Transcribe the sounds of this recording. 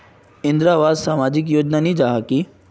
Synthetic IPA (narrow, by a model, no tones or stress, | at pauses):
ɪ̃nd̪ɾaʋaːd̪samaːd͡ʒɪk̬joːd͡ʒnanid͡ʒaɦaki